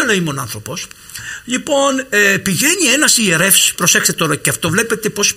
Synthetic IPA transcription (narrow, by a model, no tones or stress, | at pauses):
lɐimonɐ̰nθɾo̞po̞s | ʎipo̞nepiʝe̞ɲie̞nɐsie̞ɾe̞fspɾo̞se̞xst̪et̪o̞ɾɐceɐft̪o̞vle̞pe̞t̪e̞po̞s